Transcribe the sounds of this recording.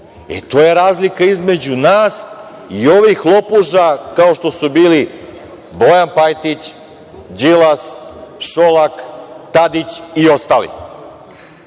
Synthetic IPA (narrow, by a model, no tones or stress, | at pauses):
ḛt̪o̞ːje̞ɾaːzlikaizme̞d͡ʑunaːs | io̞ʋixlˠo̞puʒakao̞ʃt̪o̞subiːli | bo̞janpajt̪it͡ɕ | d͡ʑilasʃolakt̪ad̪it͡ɕio̞st̪aːlḭ